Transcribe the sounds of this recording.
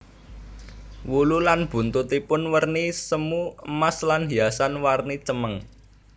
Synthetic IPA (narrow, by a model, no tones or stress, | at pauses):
wululanb̥ṳnt̪ut̪ipʊnwərnisəmuəmaslanɦiasanwarnit͡ʃəməŋ